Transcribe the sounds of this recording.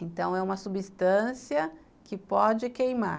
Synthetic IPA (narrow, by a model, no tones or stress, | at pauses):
ẽnt̪ɐ̃w̃ɛũmɐsubist̪ɐ̃siɐ | kɪpɔd͡ʒɪkejma̰